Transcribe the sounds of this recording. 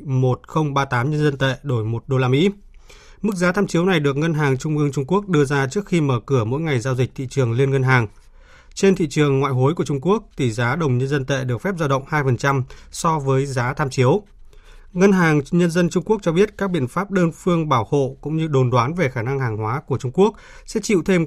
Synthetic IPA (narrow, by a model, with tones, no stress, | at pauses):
mo˨˩t̚xə˧wŋ͡mɓaː˧t̪aː˨˦mɲə˧nzə˧nt̪ḛ˧˨ɗo˧˩jmo˨˩t̚ɗo˧laː˧mḭ˧˥ | mɨ˦˥k̚zaː˨˦t̪ʰaː˧mt͡ɕi˨˦əwna˨˩jɗɨ˨˩ək̚ŋə˧nɦaː˨˩ŋt͡ɕʊ˧ŋ͡mʔɨ˧əŋt͡ɕʊ˧ŋ͡mku˦˥ək̚ɗɨ˧əzaː˧t͡ɕɨ˦˥ək̚xi˧məː˧˩kɨ˧˩əmo̰˧˥jŋa˨˩jzaː˧wzï˨˩t̪ʰḭ˧˨t͡ɕɨ˨˩əŋli˧ənŋə˧nɦaː˨˩ŋ | t͡ɕe˧nt̪ʰḭ˧˨t͡ɕɨ˨˩əŋːwa̰ː˧˨jɦo˨˦jku˧˩ət͡ɕʊ˧ŋ͡mku˦˥ək̚t̪ʰi˨˩zaː˨˦ɗə˨˩wŋ͡mɲə˧nzə˧nt̪ḛ˧˨ɗɨ˨˩ək̚fɛ˦˥p̚zaː˧wɗə̰˧˨wŋ͡mhaː˧jfə˨˩nt͡ɕa˧msɔ˧vəː˨˦jzaː˨˦t̪ʰaː˧mt͡ɕi˨˦əw | ŋə˧nɦaː˨˩ŋɲə˧nzə˧nt͡ɕʊ˧ŋ͡mku˦˥ək̚t͡ɕɔ˧ɓi˦˥ət̚kaː˦˥k̚ɓḭ˧˨ənfaː˦˥p̚ɗəː˧nfɨ˧əŋɓaː˧˩who̰˧˨kʊ̰˧˥ŋ͡mɲɨ˧ɗo˨˩nɗwaː˨˦nve˨˩xaː˧˩na˧ŋhaː˨˩ŋhwaː˨˦ku˧˩ət͡ɕʊ˧ŋ͡mku˦˥ək̚ | sɛ̰˧˥t͡ɕḭ˧˨wt̪ʰe˧m